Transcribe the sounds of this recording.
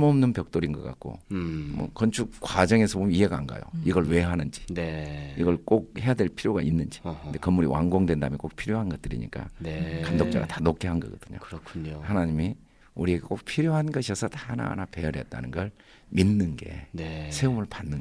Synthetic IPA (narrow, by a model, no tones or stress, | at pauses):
mʌmnɯnpjʌk̚t͈oɾinɡʌk͈a̰k̚k͈o̰mʌ̰kʌnt͡ɕʰukwad͡ʑʌŋe̞sʰʌbomiɦe̞ɡaaŋɡa̰jo̰iɡʌɭwe̞ɦanɯnd͡ʑi̥neiɡʌɭk͈ok̚he̞jadwe̞ɭpʰiɾjoɡa̰inːɯnd͡ʑi̥nde̞kʌmːuɾḭwʔa̰ŋɡoŋdwe̞nda̰mjʌnk͈ok̚pʰiɾjoɦanɡʌt̚t͈ɯɾḭɲḭk͈a̰kandok̚t͡ɕ͈a̰ɡa̰tanokʰeɦanɡʌ̰ɡʌd̥ɯɲo̰kɯkʰuɲhanaɲimi | uɾieɡek͈ok̚pʰiɾjoɦanɡʌɕʰiʌsʰʌtahana̰nape̞ʌɾjʌ̰t̚t͈a̰nɯnɡʌɭ | minːɯnɡe̞̰sʰe̞umɯɭpanːɯ